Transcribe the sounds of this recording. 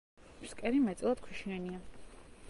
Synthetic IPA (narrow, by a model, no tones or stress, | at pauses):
mskʼɛɾimɛt̪sʼilˠad̪̥̚kʰiʃiania